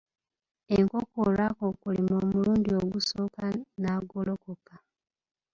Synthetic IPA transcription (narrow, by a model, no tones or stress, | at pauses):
eŋko̞koːɾakokulimoːmuɾuːndio̞ɡuso̞ːkanaːɡolo̞koka